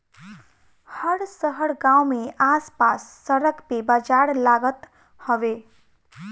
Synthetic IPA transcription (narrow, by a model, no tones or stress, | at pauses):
həɽsəɦəɽɡãwmeaspasːəɾəkpebəd͡ʒaɽlaɡət̪ | həʋe